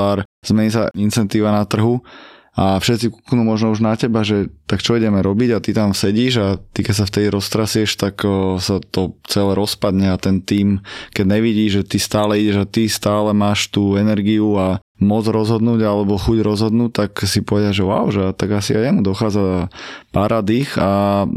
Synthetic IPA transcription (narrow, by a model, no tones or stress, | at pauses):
aːɾz̥mɛɲisaint͡sɛnt̪iːʋanat̪r̩ɦu | afʃɛt̪t͡siku̥knumɔʒnɔuʒnacɛbaʒɛt̪akt͡ʃɔiɟɛmɛɾɔbiɟat̪it̪amsɛɟiːʒat̪ikɛcsaft̪ɛd̪iɾɔst̪ɾasiɛʃt̪aksat̪ɔt͡sɛlɛɾɔspad̪ɲɛat̪ɛnt̪iːmkɛɟɲɛʋiɟiːʒʒɛt̪ist̪aːlɛiɟɛʒat̪ist̪aːlɛmaːʃt̪uːɛnɛɾɡiua | mɔd͡zɾɔzɦɔd̪nuːɟalɛbɔxuɟɾɔzɦɔd̪nuːt̪aksipɔʋɛd̪ɪaʒɛwa̰ʊʒɛt̪aɡasiajɛmud̪ɔxaːd͡zapaɾʔad̪ixa